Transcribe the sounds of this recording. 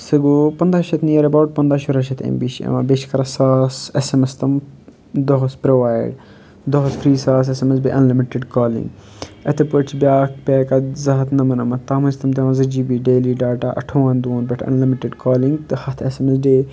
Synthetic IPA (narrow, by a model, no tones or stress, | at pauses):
sɨɡopɐnd̪aɐʃɐt̪nijɐɾɐbawʈ̚pɐnd̪aʃuɾɐʃɐt̪ʰḛmbiʃɐ̰mɐbeʃkɐɾɐsaːsesemɐst̪ɐm | d̪oɦspɾoʋaːjɖ | d̪ɔɦɐspɾiːsaːs̬esemes̬biʔɐnlimiʈeɖkaːlḭ̃ŋɡ | ɐt̪ʰepət͡ʃʰbʲaːkpʲɛːkɐzɐɦɐt̪nɐmɐnɐmɐt̪aːmɐst̪ɐmt̪ʲɐːmɐzɐd͡ʒiːbiːɖeːliːɖaːʈaːʔɐ̰ʈʰoʋɐnd̪oːnbɐʈʰɐ̰nlimiʈeɖkaːlĩŋɡt̪ɨhɐt̪ʰesemes̬ɖeː